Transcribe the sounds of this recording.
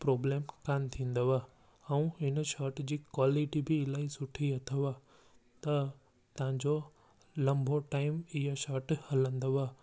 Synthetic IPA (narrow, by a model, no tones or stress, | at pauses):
pɾoːbleːmkant̪ʰĩːnd̪əʋa | ɛũɪnʃaɾʈd͡ʑiːkwaːliʈibilaːisʊʈʰiɐt̪ʰəʋa | t̪ɐ | t̪ɐʋ̤ãɲd͡ʑo | lɐ̃mbʱoʈaːɪmɪɦaʃaːɾʈhɐlə̃nd̪əʋaː